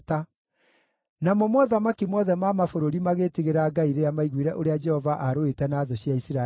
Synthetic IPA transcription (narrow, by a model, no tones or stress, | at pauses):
ta | namɔmwɔðamakimwɔðɛmamafoɾoɾimaɣetiɣeɾaːɡaiɾeamaiɣwiɾɛʔoɾead͡ʒɛhɔvaʔaɾoetɛnaːðoɕjaisiɾa